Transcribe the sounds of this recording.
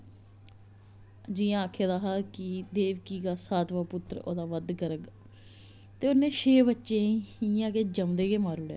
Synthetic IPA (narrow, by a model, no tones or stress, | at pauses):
d͡ʒijãːakʰeːd̪aːɦaːkid̪eːʋkiːɡaːsaːt̪ʋaːpʊt̪ːɾo̰ːd̪aːʋəd̪ɡəɾəɡ | t̪eːʊnẽːʃeːbətːʃẽːiijãːkeːd͡ʒəmd̪eːkeːmaːɾʊɽjaː